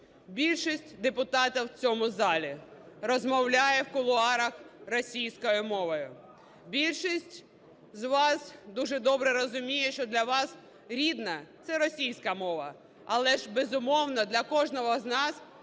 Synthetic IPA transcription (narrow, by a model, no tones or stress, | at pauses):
bʲilʲʃisʲtʲd̪epʊt̪ɑt̪ɐwt͡sʲɔmʊzɑlʲi | rɔzmɔwlʲajɛwkʊlˠʊɑɾɐxrɔsʲijsʲkɔjʊmɔʋɔjʊ | bʲilʲʃisʲtʲ | zʋɑsd̪uʒɛd̪ɔbɾɛɾɔzʊmʲijɛʃt͡ʃɔd̪lʲɐʋɑs | ɾʲid̪nɐt̪sɛɾɔsʲijsʲkɐmɔʋɐ̰ | ɐlˠɛʒbezʊmɔwnɔd̪lʲɐkɔʒnɔɦɔznɑs